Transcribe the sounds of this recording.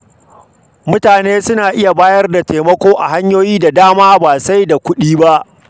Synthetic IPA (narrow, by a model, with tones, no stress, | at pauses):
mʊ˦taː˨neː˦sʊ˦naː˨ʔɪ˦ja˨baː˦jɐ˦rda˨teː˨mɐ˦kʷoː˦ʔa̰˨ɦa˦ɲjoː˦jiː˦da˨daː˦maː˦baː˨sa˦jda˨kʷʊ˦ɗiː˦ba˦ʔ